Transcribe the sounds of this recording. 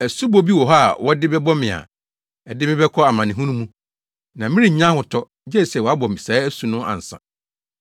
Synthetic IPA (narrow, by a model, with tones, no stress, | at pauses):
æ˨su˦bo˦bi˦wɔ˨ɦa˦˨wɔ˦dɪ˦bɛ˦bɔ˦mɪ̃˨a̰˨ | ɛ˨dɪ˦mɪ̃˦bɛ˦kʰɔ˦a˨mã˨nɪ̃˨ɦũ˦nũ˦mũ˦ | nã˨mɪ̃˦ɾĩ˨ɲã˦hʊ˨tʰɔ˦ | d͡ʑɛ˦˨sɛ˨wɔ˨a˦bɔ˨mĩ˨saː˨˦æ˦su˨nʊ̃˦ʔã̰˨n̩˨sã̰˨